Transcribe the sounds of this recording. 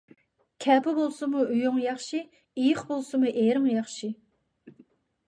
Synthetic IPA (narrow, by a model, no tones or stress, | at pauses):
kʲʰɛːpʊbolˠsɨmuyjuŋjɑχʃi | ijɪχbolˠsɨmuʔeɾɨŋjɑχʃi